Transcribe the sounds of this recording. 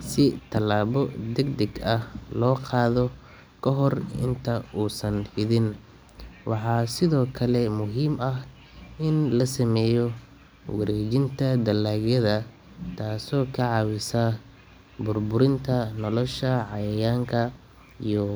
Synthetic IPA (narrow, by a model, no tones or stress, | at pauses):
sɪt̪ʰɐlaːβɔd̪ɛɡd̪ɛɡɐhlɔːqʰɑːðɔ | kʰɐɦɔrɪ̰nt̪ʰɐuːsɐnhɪðɪn | wʔɑħɑːsɪðɔːkʰɐlɛmʊɦiːmɐh | ɪnlɐsɐmɛːjɔ | wɐ̰ɾɛːt͡ʃɪnt̪ʰɐd̪ɐlaːɡjɐðɐ | t̪ʰaːsɔːkʰɐʕɑwɪsɐ | bʊrbʊɾɪnt̪ʰɐnɔlɔʃɐʕɑjɐjaːŋkʰɐ | ijɔ